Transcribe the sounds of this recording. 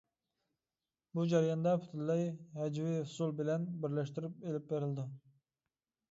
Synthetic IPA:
bud͡ʒɛɾijɑnd̪ɑpʰy̥t̪ʰɪllːɑjhɛd͡ʒwihʊsulˠbɪlɛnbɪɾlɛʃt̪ɪɾyp̚elɪp̚beɾɪld̪ɪ

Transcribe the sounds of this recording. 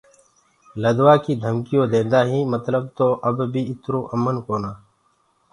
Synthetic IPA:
ləd̪ʋaːkiːd̪ʱəmkɪjõːd̪ẽːnd̪aːɦĩːmət̪ləb̚t̪oːʔəbbʱiːɪt̪ɾoːʔəmənkoːnaː

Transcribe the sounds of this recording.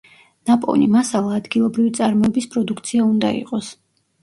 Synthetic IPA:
napʼɔ̰nimasalˠaːd̪ɡilˠɔbɾivit̪sʼaɾmɔɛbispʼɾɔd̪ukʰt̪sʰiaund̪a̰ḭqʼɔs

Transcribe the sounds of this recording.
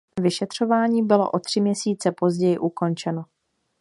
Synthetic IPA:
vɪʃɛt̪r̝̥o̞vaːɲiːbɪlo̞̰ʔo̞t̪r̝̥ɪmɲɛsiːt͡sɛpo̞zɟɛjɪʔuko̞nt͡ʃɛno̞

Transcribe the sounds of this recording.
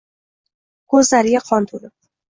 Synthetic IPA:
kʰɵzlaɾɪɡʲaqʰɒnt̪ʰolɪp̚

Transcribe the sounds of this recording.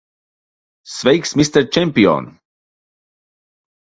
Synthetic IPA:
svɛjksmist̪əɾt͡ʃɛmpio̰n

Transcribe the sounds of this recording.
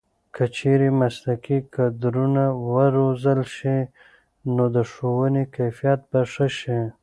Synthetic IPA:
kət͡ʃeɾemaslakikad̪ɾunawəɾozəlʃi | nod̪əʂowənekajfijat̪̚baʂəʃi

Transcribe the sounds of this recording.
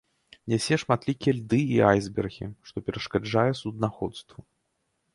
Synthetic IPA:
nʲɛsʲɛʂmat̪lʲikʲɛlʲd̪ɨiajzbʲɛrɣʲḭʂt̪ɔpʲɛɾɐʂkad͡ʐajɛsud̪naxɔt̪st̪vu

